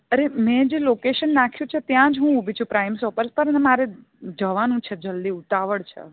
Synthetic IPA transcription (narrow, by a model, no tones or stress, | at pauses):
əɾemɛ̃d͡ʒelokeʃənːakʰjũt͡ʃʰet̪jãd͡ʒɦũubit͡ʃʰũpɾajmsɔpəɾspəɾənɛmaɾe | d͡ʒəʋanũt͡ʃʰed͡ʒəld̪iut̪aʋəɭt͡ʃʰḛ